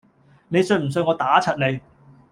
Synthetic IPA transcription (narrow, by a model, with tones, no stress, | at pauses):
ne˨˧jsɵ˧ɥm̩˨˩s̬ɵ˧ɥŋɔː˨˧t̪aː˨˥t͡sʰɐ˨t̚ne˨˧j